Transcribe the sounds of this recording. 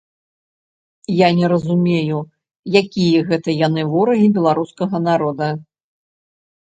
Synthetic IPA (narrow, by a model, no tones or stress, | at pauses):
janʲɛɾɐzumʲeju | jakʲijɐɣɛt̪ɐjan̪ɨvɔɾɐɣʲibʲɛlˠaɾuskɐɣɐnaɾɔd̪ɐ